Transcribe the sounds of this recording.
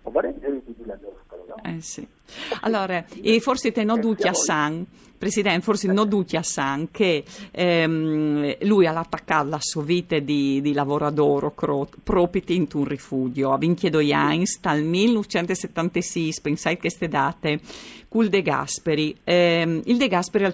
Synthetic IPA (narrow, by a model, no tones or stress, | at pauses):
ɔvaɾend͡ʒeɾid̪ibiladɔskalɔaɛsḭ | a̰lːɔːɾaifoɾset̪enod̪uciasaŋ | pɾesid̪ɛnt̪forsinod̪uciasaŋkʰe | mlujalat̪ːakːat̪lasovit̪ed̪id̪ilavoɾad̪oɾokopɾopit̪int̪unrifud͡ʒjoaviŋked̪ojaɲst̪almilnut͡ʃɛnt̪eset̪ːant̪esispensajkest̪ed̪aːt̪ekuld̪eɡa̰speɾiɛild̪eɡaspeɾia